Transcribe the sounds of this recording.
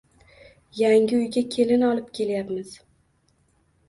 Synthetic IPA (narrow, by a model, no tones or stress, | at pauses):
jaŋɡʲɪʊjɡʲakʲʰe̞lɪnɒlˠɪpkʲʰe̞ljapmɪz̥